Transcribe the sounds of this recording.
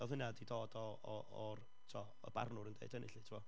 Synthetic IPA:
ɔðʊnadidoːdɔ | ɔ | ɔr | tʰua | ɔ̰b̥a̰rnʊɾəndḛɨd̥ənʔɪɬitʰɪmɔ

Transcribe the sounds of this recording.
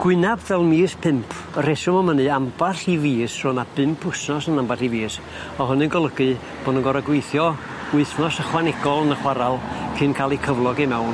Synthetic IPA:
ɡ̥wɪnabvɛlˠmiːspʰɪmpʰ | əresʊmɔmənɨambaɬiviːsr̥ʊnab̥ɨmpʰʊsnɔsənambariviːs | ɔɦʊnɨnɡɔlˠəɡɨ | b̥oːdənɡɔɾaɡwejθjɔ | ʊɨθnɔsəχwanɛɡɔlˠənəχwaɾalˠkʰɨnkʰaːlˠikʰəvlˠɔɡimɛwn

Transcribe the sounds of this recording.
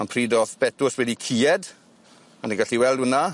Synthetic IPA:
anpʰriːdɔθb̥ɛtʊswɛdikʰiːɛd | andiɡaɬiwɛlˠdwəna

